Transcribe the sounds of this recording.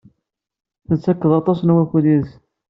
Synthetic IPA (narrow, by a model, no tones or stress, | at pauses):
θət͡sːækːəðˤɑt̪ˤɑsnwækud̪is